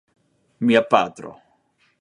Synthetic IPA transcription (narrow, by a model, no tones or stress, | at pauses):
miapad̪ɾo̰